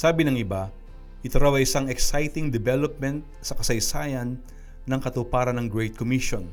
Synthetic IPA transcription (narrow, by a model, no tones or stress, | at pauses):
saːbɪnɐŋɪba | ʔɪt̪ɐɾawɐjʔɪsaŋɛksajt̪ɪŋd̪ɛbɛlop̚mɛnt̪̚sɐkɐsɐjsaːjɐnː | ɐŋkɐt̪ʊpaːɾɐnɐŋɡɹɛjt̪̚komiʃon